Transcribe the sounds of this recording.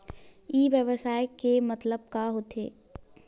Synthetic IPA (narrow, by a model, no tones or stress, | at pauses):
iːʋjəʋəsaːjkemɐt̪ləb̚kaɦoːt̪ʰḛː